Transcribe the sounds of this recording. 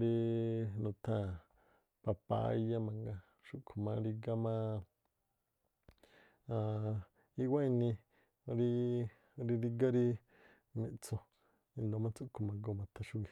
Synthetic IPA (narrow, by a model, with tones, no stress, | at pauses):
ɾi˧nũ˧t̪ʰã˦ | pa˧pa̰˧˦ja˦mã˧ŋɡa˧ | ʃu˧kʰo˨mã˧˦ɾi˧ɡa˦mã˦ | a˧ | i˦wa˦i˧nĩ˧ | ɾi˦ | ɾi˧ði˧ɡa˦ɾi˦ | mĩ˧t͡sõ˧ | ĩ˧nd̪o˧˦mã˦t͡su˦kʰo˨mã˧ɡo˦˧˨mã˧t̪ʰã˧ʃu˦ɡi˨˧